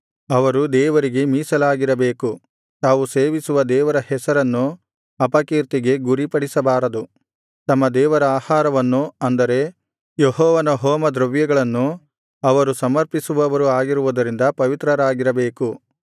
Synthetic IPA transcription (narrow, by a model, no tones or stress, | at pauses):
ɐʋɐɾud̪ɛːʋɐɾiɡe̞miːsɐlaːɡiɾɐbeːku | t̪aːʋuseːʋisuʋɐd̪ɛːʋɐɾɐhɛsɐɾɐnːu | ɐpɐkiːɾt̪iɡe̞ɡuɾipɐɽisɐbaːɾɐd̪u | t̪ɐmːɐd̪ɛːʋɐɾɐaːhaːɾɐʋɐnːuɐnd̪ɐɾe̞ | jeɦɔːʋɐnɐɦoːmɐd̪ɾɐʋjɐɡɐɭɐnːu | ɐʋɐɾusɐmɐɾpisuʋɐʋɐɾuaːɡiɾuʋud̪ɐɾind̪ɐpɐʋit̪ɾɐɾaːɡiɾɐbeːku